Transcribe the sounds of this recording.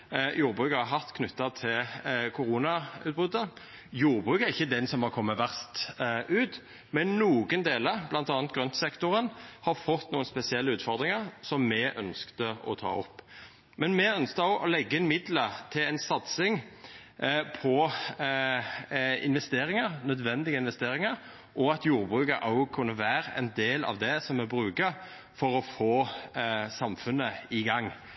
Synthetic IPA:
juːʁbʁʉːkəɾhɑɦɑt̪kʰnʉt̪ːɑt̪ʰɪlkʰʊɾuːnɑʉːt̪̚bʉd̪ə | juːʁbʁʉːkæʁɪçːəd̪ɛnsɔmhɑʁkʰɔmːəʋæʁst̪ʔʉːt̪ | mɛnːuːɡənd̪eːləʁblɑnt̪ɑːnt̪ɡɾʁœnt̪sɛkt̪ʊʁənhɑɾfɔt̪ːnuːənspɛsɪɛlːəʉːt̪fɔʁd̪ʁɪŋəʁsɔmːɛʔœ̰nskt̪əɔ̰t̪ʰɑ̰ːɔ̰pː | mɛnmɛœnsk̪əʊʔɔlɛɡːəɪnmɪd̪lət̪ʰɪlɛnsɑt̪sɪŋ | pʰɔ | ɪ̰nʋɛst̪eːɾɪŋəɾnœd̪ʋɛnd̪ɪɡəɪnʋɛst̪eːɾɪŋəɾ | ʔɔɑt̪juːʁbʁʉːkəɾʔɑʊkʰʉnːəʋæːʁɛ̰nd̪eːlɑ̰ʋd̪ɛsɔmːɛbɾʁʉːkə | fɔɾɔfoː | sɑmfʉnːəɪɡɑŋː

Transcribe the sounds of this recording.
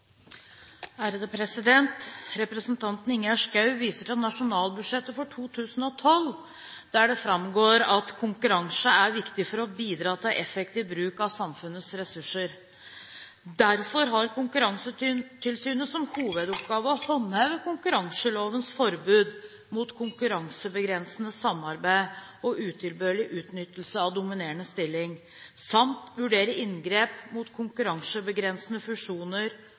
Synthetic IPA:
æːɾəd̪əpʰɾɛsɪd̪ɛnt̪ɾɛpɾəsnt̪ʰɑnt̪n̩ɪŋjɑʂkɑʉʋiːsəʈɑt̪nɑʂʊnɑːlbʉd̪ʂɛt̪ːəfɔʈʰuːt̪ʰʉːsn̩ɔt̪ʰɔl | d̪̥æɖɛfɾɑmɡoːɾɑt̪kʰʊŋkʉɾɑŋsəæɾʋɪkt̪ɪfɔɾɔbiːd̪ɾɑːt̪ʰɪlʔɛfɛk̚t̪iʋbɾʉːkɑʋsɑmfʉnːəsɾɛsʉʂːəɾ | d̪æɾfɔɾɦɑɾkʰʊŋkʉɾɑŋsət̪ʰɪlsyːnəsɔmhuːʋəd̪ɔp̚ɡɑːʋəɔhɔnhæʋəkʰʊŋkʉɾɑŋsəloːʋənsfɔɾbʉːd̪ | mut̪kʰʊŋkʉɾɑŋsəbəɡɾɛnsənəsɑmɑɾbæɪɔʔʉːt̪ʰɪlbøːlɪʔʉːt̪nʏt̪ːəl̩səɑʋd̪ʊmɪneːəɳəst̪ɪlːɪŋ | sɑmt̪ʋʉɖeːɾəɪnɡɾeːpmuːt̪kʰʊŋkʉɾɑŋsəbəɡɾɛnsənəfʉʂuːnəɾ

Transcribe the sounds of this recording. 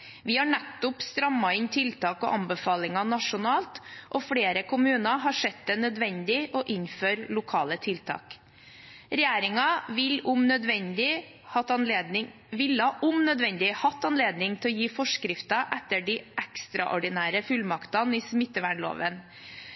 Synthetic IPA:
ʋɪhɑɳæt̪ːʊpst̪ɾɑmːɑɪnt̪ʰɪlt̪ʰɑːkɔ̰ːʔɑmbəfɑːlɪŋɑnɑʂʊnɑːlt̪ʔɔfɽeːɾəkʊmʉːnɑɦɑʂɛt̪̚d̪ɛnœd̪ʋɛnd̪ɪʔɔʔɪnføːɾlʊkʰɑːlət̪ʰɪlt̪ʰɑ̰ːk | ɾɛjeːɾɪŋɑʋɪlʊmnœd̪ʋɛnd̪ɪ | hɑɪ | ʋɪlɑʔʊmnœd̪ʋɛnd̪ɪhɑt̪ːɑnleːd̪nɪŋt̪ʰɛlɔːjiːfɔʂkɾɪft̪ɑʔɛt̪ːəɖiːʔækst̪ɾɑʔɔɖɪnæːɾəfʉlmɑkt̪ɑniːsmɪt̪ːəʋæɳlo̰ːʋən

